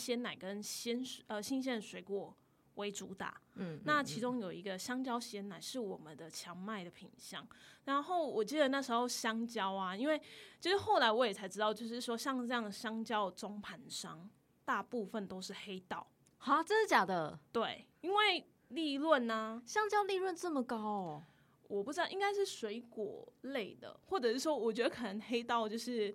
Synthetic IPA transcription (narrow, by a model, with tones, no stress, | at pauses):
ɕjɛ˥na˨˩ɪkə˦˥nɕɛ˥nə˧ɕi˥nɕ̬jɛ˥˩nʂwe˧ɪkwɔ˥˩ | wʔe˧˥ɪʈ͡ʂu˧˥t̪a̰˨˩na˥˨t͡ɕʰi˧˥ʈ͡ʂʊ˥ŋjo˨˩ʊi˧˥ɡə˧ɕjɑ˥ŋt͡ɕjɑ˥ʊɕjɛ˥na˨˩ɪʂɻ̩˥˩wɔ˨˩mə˦nd̪ə˨t͡ɕʰjɑ˧˥ŋma˥˩ɪd̪ə˩pʰḭ˨˩ŋɕjɑ̰˥˩ŋɻa˨˦nxo˥˩ʊwɔ˨˩t͡ɕi˥˩d̪ə˨na˥˩ʂ̩˧˥xo˥˧ʊɕjɑ˥ŋt͡ɕjɑ˥ʊa˨i˥nwe˥˩ɪt͡ɕʰi˧˥ʂ̩˥˩xo˥˩ʊla˧˥ɪwɔ˧˦jɛ˨˩t͡sʰa˧˥ɪʈ͡ʂɻ̩˥t̪ɑ˥˧ʊt͡ɕjo˥˧ʊʂ̬ɻ̩˥˩ʂwɔ˥ɕjɑ˥˧ŋʈ͡ʂɤ˥˧jɑ˥˩ŋɕjɑ˥ŋt͡ɕjɑ˥ʊʈ͡ʂʊ˥ŋpʰa˧˥nʂɑ˥ŋ | t̪a˥˧pu˥˧fə˥˨nt̪o˥ʊʂɻ̩˥˩xe˥ɪt̪ɑ˥˩ʊ | xa˥ʈ͡ʂɤ˥˧ʂ̩˥˩t͡ɕja˨˩d̪ə˦t̪we˥˩ɪ | i˥nwe˥˩ɪ | li˥˧lwə˥˨na˩ɕjɑ˥ŋt͡ɕjɑ˥ʊli˥˧lwə˥˧nt͡sə˥˩mə˨kɑ˥ʊ˨˩ | wɔ˨˩pu˥˩ʈ͡ʂɻ̩˥t̪ɑ˥˩i˥ŋka˥ɪʂɻ̩˥˩swe˧˥ɪkwɔ̰˨˩le˥˩ɪd̪ə̰˩xwɔ˥˩ʈ͡ʂɤ˨˩ʂɻ̩˥˩ʂwɔ˥wɔ˨˩t͡ɕɥɛ˧˥d̪ə˧kʰə˨˩nə˧˦ŋxe˥ɪt̪ɑ˥˧ʊt͡ɕjo˥˧ʊʂɻ̩˥˩